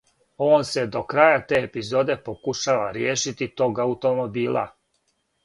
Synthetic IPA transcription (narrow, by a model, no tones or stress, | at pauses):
o̞ːnse̞d̪o̞kɾaːjat̪e̞epizo̞d̪e̞pokuʃaʋaɾjeːʃit̪it̪o̞ːɡaut̪o̞mo̞biːlˠa̰